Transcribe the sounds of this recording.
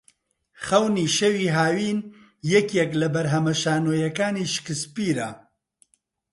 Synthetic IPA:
χɐwniːʃewiːɦaːwiːn | jɛkjɛklɐbɐɾɦɐmɐʃaːnoːjɐkaːniːʃkɨspiːɾɐ

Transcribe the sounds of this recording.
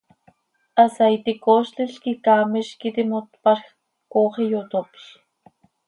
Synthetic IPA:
asajt̪ikoʃt͡ɬiɬkikamiʃkit̪imot̪paɾx | koχijot̪opi̥

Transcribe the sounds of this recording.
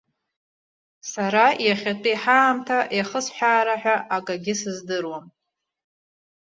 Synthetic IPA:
saɾajaχʲatʼɨiħaːmtʰaʔjaχəsħʷᶣaːɾaħᶣaʔakʼaɡʲɪsɨzdɨrwam

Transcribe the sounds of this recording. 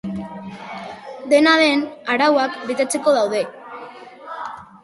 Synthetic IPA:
d̪e̞naðe̞naɾawakbit̪et͡seko̞ðawðe̞

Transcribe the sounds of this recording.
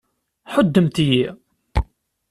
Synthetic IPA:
ħəd̪ːəmt̪iji

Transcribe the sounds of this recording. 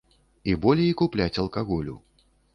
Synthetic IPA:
ibɔlʲejikuplʲat͡sʲɐlˠkaɣɔlʲṵ

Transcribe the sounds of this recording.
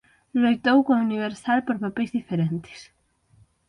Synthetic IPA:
lojt̪owkõuniβ̞eɾsalpoɾpapejzðifeɾẽnt̪e̥s

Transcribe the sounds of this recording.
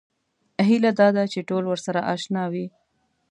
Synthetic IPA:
ɦilad̪ɑd̪at͡ʃeʈolwəɾsaɾaʔɑʃnɑwi

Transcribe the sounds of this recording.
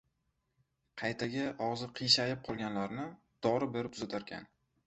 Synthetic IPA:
qʰɑjt̪ʰaɡʲaʔɒʁzɨqʰijʃajɪp̚qʰɒlˠɡʲanlaɾnɪ | d̪̥ɒɾɪbeɾɪpzat̪ʰaɾɡʲa̰n

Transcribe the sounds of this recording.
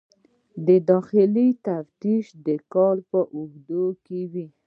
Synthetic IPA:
d̪əd̪ɑxɪlit̪aft̪iʃd̪əkɑlpəʔʊɡd̪okewi

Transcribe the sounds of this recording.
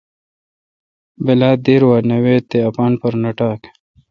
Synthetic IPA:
belaːd̪eːɾwaːnɐweːt̪ːeɐpaːnpɐɾnɐʈaːk

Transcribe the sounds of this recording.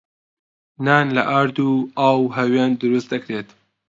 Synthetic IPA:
naːnlɐ̰ʔaɾd̪uaːwɦɐweːnd̪ɨɾust̪̚d̪ɐkɾeːt̪

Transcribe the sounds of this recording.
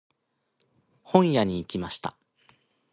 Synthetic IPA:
hõ̞ɰ̃jaɲ̟iːkʲimaɕi̥t̪a̰

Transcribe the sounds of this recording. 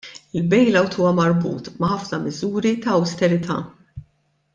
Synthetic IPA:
ɪlbɛjlɐwt̪uːwɐmɐɾbṵːt̪mɐħɐfnɐmɪzuːɾit̪ɐːwst̪ɛɾɪt̪ʰɐ̰ː

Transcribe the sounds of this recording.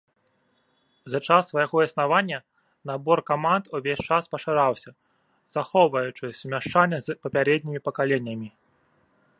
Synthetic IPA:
zɐt͡ʂasːvɐjaɣɔisnavanʲːɐ | nabɔrkamand̪uvʲesʲt͡ʂaspɐʂaɾawsʲɐ | z̥axɔwvɐjut͡ʂɨsʲmʲaʂt͡ʂanʲːɐzpɐpʲaɾɛd̪ʲnʲimʲipɐkalʲenʲːɐmʲi

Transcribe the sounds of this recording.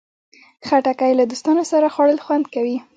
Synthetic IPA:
xaʈakajlad̪ost̪ɑnosaɾaxwɑɽəlxwand̪kawi

